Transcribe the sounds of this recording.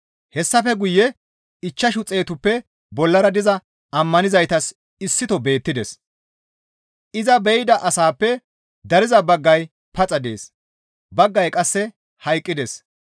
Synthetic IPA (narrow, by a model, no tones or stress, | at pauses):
hɛsːɐfɛɡʊjːɛ | ɪt͡ʃːɐʃʊt͡sʼːe̞ːt̪ʊpːɛ | bɔlːɐɾɐd̪ɪzɐ | ɐmːɐnɪzɐjt̪ɐs | ɪsːɪt̪ɔbe̞ːt̪ːɪd̪ɛs | ʔɪzɐbɛjd̪ɐʔɐsaːpːɛ | d̪ɐɾɪzɐbɐɡːɐj | pɐt͡sʼɐd̪ḛːs | bɐɡːɐjkʼɐsːɛ | hɐjkʼːɪd̪ɛs